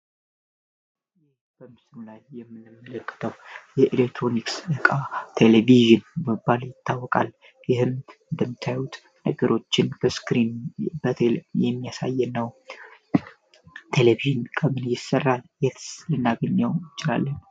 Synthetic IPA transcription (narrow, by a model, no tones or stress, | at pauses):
jɪh | b̥əmɨsɨnulajːɛmːɨnːɨmːələkʼːɨ̥t̪ʰəwjɛʔilekt̪ʰɾo̞niksɨkʼat̪ʰe̞leviʒɨnɛmɨbːaljɪt̪ʰːawːɔkʼa̰l | jɪɦɨmɨnd̪əmːɨt̪ʰːajjut̪ | nə̰ɡəɾʔo̞t͡ʃːɪnbəskɾinbət̪ʰjɛmːijasa̰jːɛnːəw | t̪ʰe̞leviʒɨnkʰʼəmɨnjɪsərːaljɛt̪ʰlɨnːaɡəɲːawjɪt͡ʃɪla̰lːən